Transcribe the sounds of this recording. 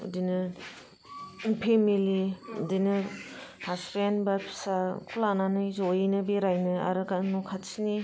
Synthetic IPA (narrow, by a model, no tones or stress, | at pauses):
ṵdinɯ | pʰemiliṵdinɯhasɾeanbapʰi̥sakʰulananɯjzojinɯbeɾajnɯa̰ɾɯkanukʰasini